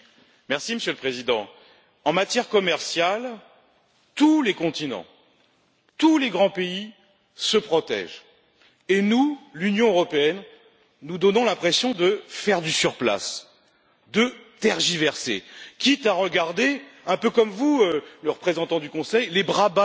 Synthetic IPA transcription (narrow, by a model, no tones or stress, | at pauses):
mɛʁsiməsjølpχezid̪ɑ̃ | ɑ̃mat̪jɛʁkɔmɛʁsjal | t̪ulekɔ̃t̪inɑ̰̃ | t̪uleɡʁɑ̃pei | səpχɔt̪ɛ̰ʒ | enulynjɔ̃øʁɔpeɛnː | ud̪ɔnɔ̃lɛ̃pχesjɔ̃d̪əfɛʁd̪ysyʁpla̰s | d̪ət̪ɛʁʒivɛʁsḛkʲit̪aʁəɡaʁd̪eɛ̃pøkɔmvuøləʁəpχezɑ̃t̪ɑ̃d̪ykɔ̃sɛjlebʁaba